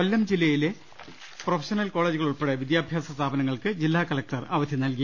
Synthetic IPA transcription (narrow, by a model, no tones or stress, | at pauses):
ɐlːɐmd͡ʑilːɐjile | profʰɐ̥ɕɐnɐlko̞ːɭeːd͡ʑuɣɐɭuɭpeɽeʋid̪jaːbʱjaːsɐst̪ʰaːbɐnɐŋːɐɭkɨd͡ʑilːaːkɐlɐk̚ʈɐra̰ːʋɐd̪ʱjinɐlki